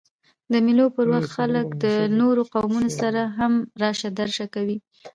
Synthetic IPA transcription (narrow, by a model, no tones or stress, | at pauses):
d̪əmilopəɾwaxt̪xaləkd̪ənoɾoqawmunosaɾaɦamɾɑʃad̪aɾʃakawi